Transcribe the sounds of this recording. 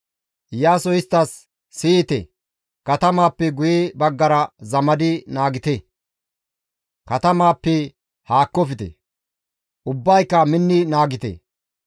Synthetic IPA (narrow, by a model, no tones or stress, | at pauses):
jaːsɔɪst̪ːɐsː | ɪɪt̪ɛ̰ | kɐt̪ɐmaːpːɛɡʊjɛbɐɡːɐɾɐzɐmɐd̪ɪnaːɡɪt̪ɛ | kɐt̪ɐmaːpːɛ | haːkːɔfɪt̪ɛ̰ | ʔʊbːɐjkːɐmɪnːɪnaːɡɪt̪ɛ̰